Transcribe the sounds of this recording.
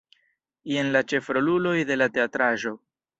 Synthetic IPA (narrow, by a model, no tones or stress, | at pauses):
je̞nlat͡ʃe̞fɾo̞lulo̞jde̞late̞atɾaʒo̞